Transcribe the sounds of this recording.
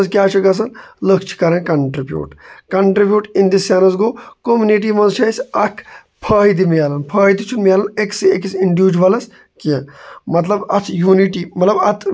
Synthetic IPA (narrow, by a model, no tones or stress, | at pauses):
zkjaːt͡ʃʰɐɡɐs̬ɐnləkʰt͡ʃʰi̥kɐɾɐnkɐɳʈɾibʲjṵːʈkɐɳʈɾibjuːʈĩnd̪isjaːnɐzɡoːkomjuniʈ̬iːmɐ̃nzt͡ʃʰɐisʲɐkʰ | pʰɐːɦid̪imjaːlɐnpʰɐːɦid̪it͡ʃʰunmijaːlɐneksekisiɳɖjuːd͡ʒʋɐlɐs | kiɐ̃mɐt̪lɐbɐt̪ʰjuːniʈiːmɐt̪lɐbɐt̪ʰ